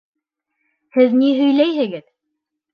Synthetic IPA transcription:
hɘðniɦɵ̆jlæjɦɘ̆ɡɘð

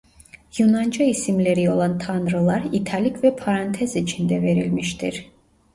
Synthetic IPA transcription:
junand͡ʒaisimleɾio̞lˠant̪ʰanɾɯlˠaɾit̪ʰalʲikʰvɛpʰaɾant̪ʰɛzit͡ʃʰind̪ɛveɾilmiʃt̪ʰiɾ

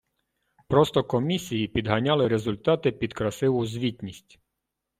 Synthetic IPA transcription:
pɾɔst̪ɔkɔmʲisʲijipʲid̪ɦɐnʲɑlˠɪɾezʊlʲt̪ɑt̪ɪpʲid̪kɾɐsɪʋʊzʲʋʲitʲnʲisʲtʲ

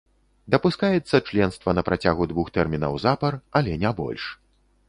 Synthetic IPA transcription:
d̪ɐpuskajɛt̪sːɐt͡ʂlʲɛnst̪vɐnɐpɾʔat͡sʲaɣud̪vuxt̪ɛrmʲinɐ̰wzapɐrɐlʲɛnʲabɔ̰lʲʂ

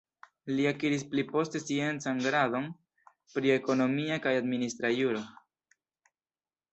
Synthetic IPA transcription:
liakiɾis̬plipo̞ste̞sie̞nt͡sanɡɾado̞n | pɾie̞ko̞no̞miakajadministɾajuɾo̞

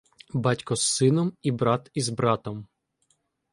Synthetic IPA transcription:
bɑtʲkɔsːɪnɔmibɾɑt̪izbɾɑt̪ɔm

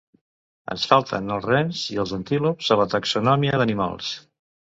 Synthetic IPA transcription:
ə̰nsfalˠt̪ʰə̰nəlˠzrɛnziəlˠzənt̪ilupz̥ələt̪əksunɔmiəðənima̰lˠs

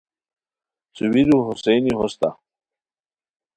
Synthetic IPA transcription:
t͡suwiɾuɦusejniɦost̪a

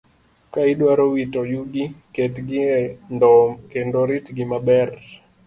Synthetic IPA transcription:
kaiɗwaɾɔwitɔjuɡikɛtɡindɔkɛndɔɾitɡimabɛr

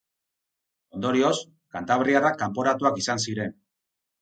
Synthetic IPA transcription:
o̞nd̪o̞ɾio̞s | kant̪aβ̞riarakampo̞ɾat̪uakisansiɾe̞n

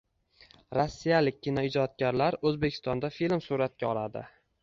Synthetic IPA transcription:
ɾɒsːijalɪk̚ʲːɪnɒɪd͡ʒɒt̪̚ɡʲaɾlaɾɵzbekʲʰɪ̥st̪ɒnd̪afilmsuɾat̪̚kʲaɒlad̪ɪ̰

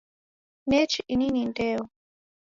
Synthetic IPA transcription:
nɛt͡ʃiininintɛːɔ

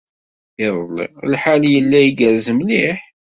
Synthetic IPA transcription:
iðˤəlḭlħaljəlːæjiɡəɾzəmliħ

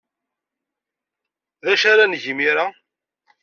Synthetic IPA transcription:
ðæʃaɾanʝmiɾa

